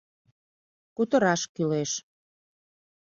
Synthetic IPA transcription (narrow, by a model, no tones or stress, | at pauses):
kut̪əɾɑʃkyleʃ